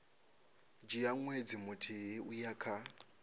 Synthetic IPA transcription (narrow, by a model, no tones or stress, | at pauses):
d͡ʒijaŋwed͡zimutʰiiujakʰa